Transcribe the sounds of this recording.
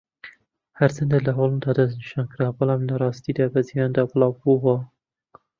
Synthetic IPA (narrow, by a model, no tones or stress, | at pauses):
hɐɾt͡ʃʰɐnd̪elɐɦolˠɨnd̪ɑːd̪ɐzniʃɑːnkɨɾaːwbɨlˠɑːmlɐɾˤɑːst̪id̪ɑːbɐzijɑːnd̪ɑːbɨlˠɑːwbuwɐ